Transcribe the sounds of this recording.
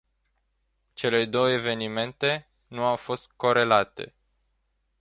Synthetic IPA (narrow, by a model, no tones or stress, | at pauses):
t͡ʃe̞le̞d̪o̞wəeve̞nime̞nt̪e̞ | nuawfo̞st̪̚ko̞ɾe̞lat̪e̞̰